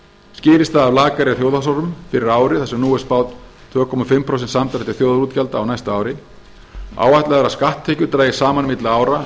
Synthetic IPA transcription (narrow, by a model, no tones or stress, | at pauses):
scɪːɾɪst̪aðavlaːkaɾɛθjowðasawɾʏmfɪɾɪɾaːwɾɪθɛsɛmnuːɛɾ̥spaːwt̪ | t̪ʰv̥œːkʰɔmafɪmːpʰɾows̬ɛnsamt̪aɾɛht̪ɪ̥θjoːwðɾuːt̪cʰalt̪aːwnajst̪aaːwɾɪ | a̰ːwajht̪laɛɣɛɾaskaht̪ʰːɛːcʏɾt̪ɾaːjɪ̥saːmanmɪt̪laaːwɾa